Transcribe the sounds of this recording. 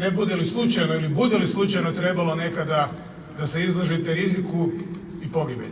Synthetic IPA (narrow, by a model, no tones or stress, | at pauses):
nebud̪elislˠut͡ʃajnoilibud̪e̞lislˠut͡ʃajno̞t̪ɾe̞balˠo̞ne̞kad̪a | d̪ase̞izlˠoʒit̪eɾiziku | ipo̞ɡibḛ